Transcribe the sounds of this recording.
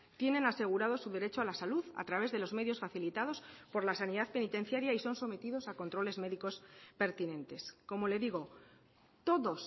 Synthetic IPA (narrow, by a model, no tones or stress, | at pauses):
t̪je̞nẽ̞nase̞ɣ̞uɾað̞o̞suðe̞ɾe̞t͡ʃoalasaluða̰t̪ɾaβe̞zðe̞lo̞zme̞ðjo̞sfaθilit̪að̞o̞spo̞ɾlasaniðaðpe̞nit̪e̞n̟θjaɾjaiso̞nso̞me̞t̪iðo̞sako̞nt̪ɾo̞le̞zme̞ðiko̞spe̞ɾt̪inẽ̞nt̪e̞sko̞mo̞le̞ðiɣo̞ | t̪o̞ðos